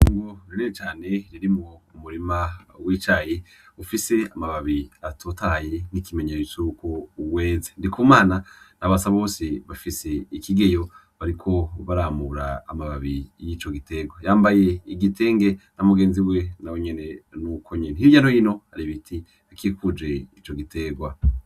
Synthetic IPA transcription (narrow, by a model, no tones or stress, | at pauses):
ŋɡoɾiɾeet͡ʃaːne̞ɾiɾimŋoumuɾimawiːt͡ʃaje | ufise̞amaβaβiatʰotaje̞ŋ̥ikimeɲeut͡ʃukowe̞ːzendikuːmaːnanaβasaβo̞ːseβafise̞ikiɡe̞jo̞ | βaɾikʰo̞βaɾaːmuɾaːmaβaβijiːt͡ʃo̞ɡite̞ɡwajaːmbaje̞iɡite̞ːŋɡe̞namuɡe̞ːnziwenaweɲe̞ne̞nukʰo̞ɲenehivjaːnhojino̞haɾiβitʰi | akikud͡ʒe̞it͡ʃo̞ɡite̞ɡwa